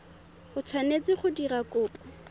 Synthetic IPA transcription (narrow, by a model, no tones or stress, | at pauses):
χʊt͡sʰwanet͡sɪχʊdirakʊːpɔ̥